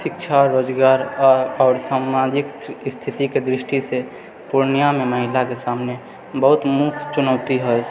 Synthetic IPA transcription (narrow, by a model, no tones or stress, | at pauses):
sɪkt͡ʃʰaɾoːd͡ʒɡaːɾɔɔːɾsaːmad͡ʒɪkst̪ʰit̪iked̪ɾɪʃʈise | puɾnijameməɦɪlakesaːmne | bəɦʊt̪mʊk̚t̪t͡ʃʊnəʊt̪iɦoj